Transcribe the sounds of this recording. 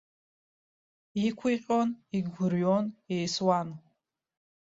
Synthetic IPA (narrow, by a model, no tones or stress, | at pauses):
ikʷʰiqʲʼoniɡʷʊɾjonejswan